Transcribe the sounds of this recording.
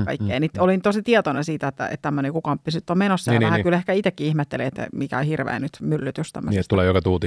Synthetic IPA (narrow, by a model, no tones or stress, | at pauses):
kɑ̰ikːeːnit̪olint̪osit̪iɛt̪onesiːt̪æet̪ːæ̰ḛt̪t̪æmːønekukɑmpːisnyt̪ːommenosːɑhækylehkæit̪ekːiihmet̪ːeliet̪ːæ̰mikæ̰ohirʋḛːnyt̪mylːyt̪yst̪æ̰mːøst̪t̪uleːjokɑt̪uːt̪i